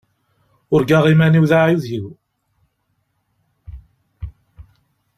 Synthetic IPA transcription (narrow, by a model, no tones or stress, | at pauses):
ʊɾɡaʁimæniwðaʕiðjiw